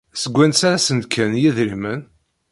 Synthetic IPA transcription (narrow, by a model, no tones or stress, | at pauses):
səɡʷːænsaɾasənd̪kʰænjiðɾimən